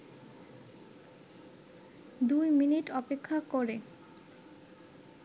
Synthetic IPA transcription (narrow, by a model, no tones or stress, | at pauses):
d̪ujminiʈɔpekʰːakoɾe